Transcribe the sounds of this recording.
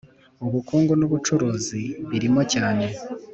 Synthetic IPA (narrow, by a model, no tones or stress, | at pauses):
oβukuːŋɡonoβut͡ʃuɾuːziβiɾimo̞caːne̞